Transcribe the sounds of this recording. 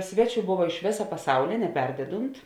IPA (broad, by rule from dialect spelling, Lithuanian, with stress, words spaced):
ˈsʲʋʲæːˌt͡ʃʲuː ˈboːʋɐ ɪʃ ˈʋʲeːsɐ pɐˈsɐʊlʲeː nʲɛˈpʲɛrʲdʲɛdʊnt